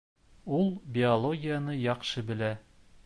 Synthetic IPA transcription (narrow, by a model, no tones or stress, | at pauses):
ulˠbʲɪolˠoɡʲijanɤjɒqʃɤbɘ̆læ